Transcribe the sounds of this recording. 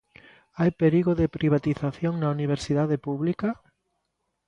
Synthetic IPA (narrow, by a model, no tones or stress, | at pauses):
ajpeɾiɣoðɪpɾiβ̞at̪iθaθjoŋnauniβ̞eɾsiðaðepuβlika